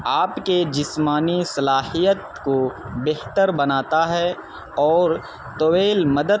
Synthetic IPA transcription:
aːpked͡ʒɪsmaːnisɐlaːɦijət̪ | kobeɦt̪əɾbɐnaːt̪aɦɛ | ɔːɾ | t̪oweːlmɐd̪ə

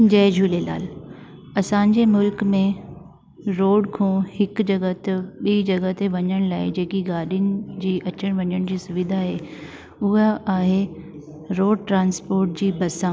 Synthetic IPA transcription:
d͡ʑɐːd͡ʑʱuːlela̰ːl | ɐsãːɲd͡ʑemʊlkmẽ | ɾoːɖkʰõːhɪkd͡ʑɐɡət̪ɪɓiːd͡ʑɐɡət̪eʋɐɲəɽ̃laːɪd͡ʑeːkiɡaːɗijʊnɪ̆d͡ʑiːʔɐt͡ɕəɽ̃ʋɐɲəɽ̃d͡ʑiːsʊʋɪd̪ʱaːɦeː | ʊɦaːɦe | ɾoːɖʈɾãːnspoːɾʈ̚d͡ʑiːbɐsãː

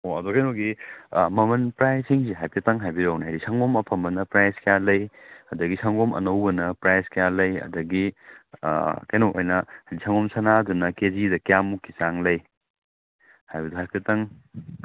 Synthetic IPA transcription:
oɐdukɐjnoɡimɐmɐnpɾajsiŋsiɦajpʰetɐŋɦajbiɾɐwnɦajdisɐŋɡomɐpʰɐmbɐnɐpɾajskɐjalɐjɐdɐɡisɐŋɡomʔɐ̰nɐwbɐnɐpɾajskɐjalɐjɐ̰dɐɡḭ | kajnoʔo̰jnɐhajdisʰɐŋɡomsɐnadunɐkezidɐkjamukːisaŋlɐj | hajbɐduɦajpʰetɐŋ

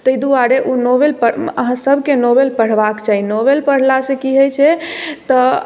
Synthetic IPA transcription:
t̪əjd̪uaɾeʔunobelpəə̰ɦãsəbʱkenobelpəɽ̤bakt͡ʃaɦinobelpəɽ̤lasẽkiɦəjt͡ʃʰɛt̪ɔ

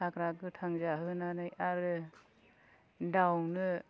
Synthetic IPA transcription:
akɾaɡɯtʰaŋzaɦɯnanajaɾɯ | dawnɯ

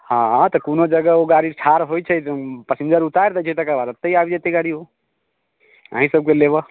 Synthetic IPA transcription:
hãt̪ɔkonod͡ʒəɡəoɡaɽit͡ʃʰaɾɦojt͡ʃʰəpəsind̪əɾut̪ajɾd̪ət͡ʃʰɛt̪əkabad̪ət̪ːəiabid͡ʒet̪eɡaɽio | ə̰ɦĩsəb̚kelebɔ

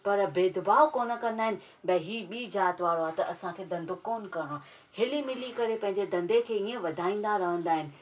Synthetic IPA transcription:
pɐɾbeːd̪ʊbaːokoːnə̆kɐ̃nd̪aːɦɪnɪ̆ | bɐɦiːɓiːd͡ʑaːt̪ʋaːɾoɦaːt̪ɐʔɐsãkʰeːd̪ɐ̃nd̪ʱokoːnkɐɾɽ̃o | hɪlimɪlikɐɾepɐ̃ɦɪ̃ɲd͡ʑed̪ɐ̃nd̪ekʰeːiẽʋɐd̪ʱaːĩːn̆d̪aɾɐɦə̃nd̪aːɦɪnɪ̆

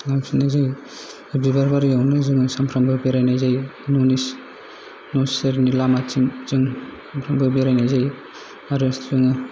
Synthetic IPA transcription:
namsʰinazaj | bibaɾbaɾijawnɯzɯŋɯsampʰɾambɯbiɾajnazajnunis | nɔseɾnilamat͡ʃiŋt͡ʃɯŋ | ampʰɾambɯbiɾajnazaj | aɾeszɯŋɯ

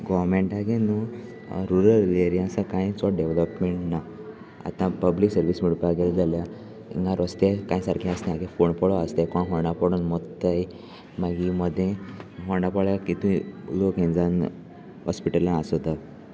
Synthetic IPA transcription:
ɡɔʋɾmeɳʈaɡenu | ɾuɾəleɾijãsakãĩt͡sɔɖeʋləpmeɳʈna | a̰t̪ãpəbliksəɾʋismiɽpaɡeld͡zʱalja | ḭŋɡaɾɔst̪ekãjsaɾkʰĩast̪ẽaɡẽfoɳpɔɭɔast̪ekɔɳɦɔɾɳapɔɽunmɔt̪ːaj | maɡiməd̪ʱːjẽɦɔɾɳapɔɭjakit̪ũlokĩnd͡zan | ɦɔspiʈəlãasɔd̪a

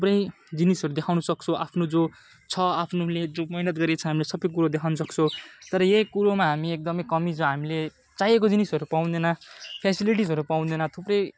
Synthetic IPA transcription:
t̪ʰuprʌj | d͡zinisʌɾud̪ekʰawnusʌk̚t͡sʰʌ̃ʔapʰnod͡zo | t͡sʰʌapʰnoled͡zomʌinʌt̪̚ɡʌɾjat͡sʰʌɦamilesʌbʌjk̬uɾod̪ekʰawnusʌkt͡sʰʌ̃t̪ʌɾʌjejkuɾomaɦamiek̚d̪ʌmʌjkʌmid͡zoɦamile | t͡sajekod͡zinisʌɾupaw̃nd̪enʌpʰesiliʈ̬isʌɾupaw̪̃d̪enʌt̪ʰuprʌj

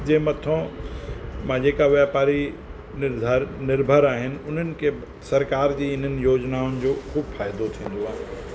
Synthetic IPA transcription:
d͡ʑẽːmɐt̪ʰõ | mãd͡ʑeːkaʋjaːpaːɾi | ɪd̪ʱaɾnɪɾbʱəɾaːɦɪnɪ̆ʊn̤ənɪ̆kʰe | sɐɾkaːɾd͡ʑiːɪn̤ənɪ̆joːd͡ʑnaːʊnɪ̆d͡ʑoːxuːbfaːɪd̪ot̪ʰĩːn̆d̪oaːɦɪ̃

